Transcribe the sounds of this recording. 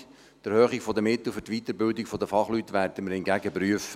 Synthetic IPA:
d̥æɾhøːχiɡfɔdəmɪt̪l̩fɵtʋit̪əɾbɪldiɡfɔd̪əfɑχlyt̪ːʋæɾd̥əməɾhɪnɡæɡəpryəfə

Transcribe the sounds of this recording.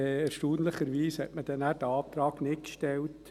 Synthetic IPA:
ɛɾʃtuːnləχəɾʋiːshɛ̰ʔməd̥ɛnæːd̥əɑːp̚t̪ɾɑːɡnɪtkʃtɛlt

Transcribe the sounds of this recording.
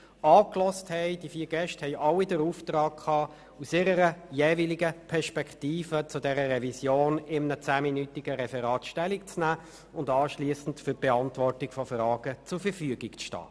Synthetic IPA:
ɑːklɔsthɛɪd̥ifiːɾɡɛʃthɛɪʔɑlːidəɾuːftɾɑːkkʰɑː | usɪɾəɾəjeːviliɡəpʰɛɾʃpɛktiːfət͡sʊdɛɾəɾɛvisjoːnɪmnət͡sæːminytɪɡ̥əɾɛfɛɾɑːtʃtɛlɪk̚t͡snæː | ʊndɑːʃliːəsn̩tfyɾb̥ɛɑntʋɔrtɪkfɔfrɑːɡ̥ət͡sʊɾfəfyəɡikt͡sʃtɑ̰ː

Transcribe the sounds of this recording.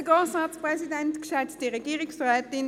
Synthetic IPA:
əɡoːsɑːspʁɛsidɛntkʃɛt͡stiʁɛɡiːʁɪksʁɛːtɪn

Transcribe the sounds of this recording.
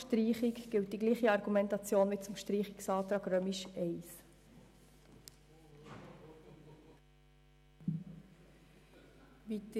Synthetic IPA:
ʃtriːχikɡ̥ɪlt̚d̥iɡliːχiɑɾɡumɛntɑt͡sjoːnʋit͡sʊmʃtriːχiksɑːt̪ɾɑːɡ̥ɾœmiʃʔɛɪs | ʋit

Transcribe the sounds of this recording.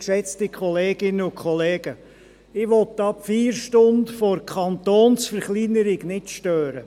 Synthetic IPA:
ʃɛt͡stɪkχɔleːɡ̥ɪnəʊkχɔleːɡ̥ə | ɪʋɔtɑpfiːɾʃtʊndfoɾkʰɑnt̪oːnsfəɾχlinəɾɪɡnɪtʃtøːɾə

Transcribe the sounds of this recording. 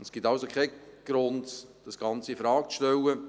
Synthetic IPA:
nsɡ̥itawsokʰɛɪɡ̥ɾʊndd̥ɑsɡ̥ɑnt͡sifɾɑːk̚t͡sʃtɛlə

